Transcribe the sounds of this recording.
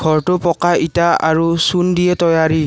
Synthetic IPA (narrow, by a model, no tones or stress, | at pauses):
ɡʱɔɹtʊpɔkaʔitaa̰ɹusundijɛtɔjaɹi